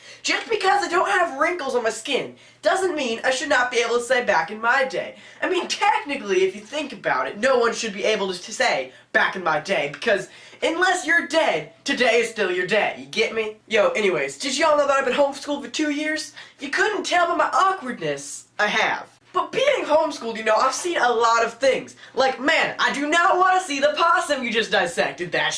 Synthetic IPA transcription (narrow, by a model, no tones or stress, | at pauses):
d̥ʒ̥ʌsb̥ɨkʰʌzaɪdõʊ̃nt̚hɨvɹɪ̃ŋkl̩ˠzn̩maɪskɪ̃n | d̥ʌzɨ̃nmĩnʔa̰ɪʃɨdⁿnət̚b̥ieɪbl̩ˠtʰəseɪbækɨ̃nmaɪdeɪ | aɪmĩntʰɛk̚nɨkliɨfjɨθɪ̃ŋkɨbaʊɾɨ̰tⁿnoʊwʌ̃nʃɨd̚biʔeɪbl̩ˠtɨseɪ | b̥ækɨ̃n̩maɪdeɪbɨkʰʌz | ɨ̃nlɛsjə˞dɛd̚tʰɨdeɪɨz̥stɪlˠjə˞deɪjɨɡɛt̚mijɨnoʊʔɛñiweɪzd͡ʒʌzɨɔlˠnoʊðəɾaɪbɨ̃t̚ɦõʊ̃mskulˠfə˞tʰʉjɪɹz̥jɨkʰʊdⁿn̩tʰɛlˠmimaɪʔɑkwə˞dⁿnɨsaɪɨ̰v̥ | b̥ʌt̚b̥iɪ̃ŋɦõʊ̃mskulˠjɨnoʊaɪv̥sĩnəlɔɾʌv̥θɪ̃ŋz̥laɪkmæ̃na̰ɪdɨnət̚wɑ̃nɨsiðəpʰɑsɨ̃mjɨd͡ʒʌsd̥aɪsɛk̚tɨd̪̚ðɨt̚